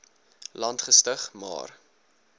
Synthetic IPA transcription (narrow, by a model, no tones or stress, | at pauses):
lɐntχəstəχmɑ̰ːr